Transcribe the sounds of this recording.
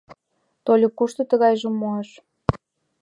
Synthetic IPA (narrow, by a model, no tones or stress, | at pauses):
t̪olʲikuʃt̪ɤ̆t̪əɣɑjʒəmoɑʃ